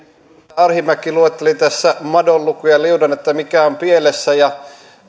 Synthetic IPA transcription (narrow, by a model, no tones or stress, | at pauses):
ɑrhimækːiluet̪ːelit̪æsːæmɑdollukujɑliudɑnet̪ːæmikæompielesːæjɑ